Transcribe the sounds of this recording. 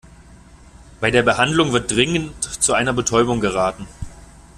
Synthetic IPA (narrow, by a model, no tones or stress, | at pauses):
b̥aɪdeːɐbəhandlʊŋvɪɐt̚d̥ʁɪŋəntt͡suʔaɪnɐbətʰɔʏbʊŋɡəʁaːtn̩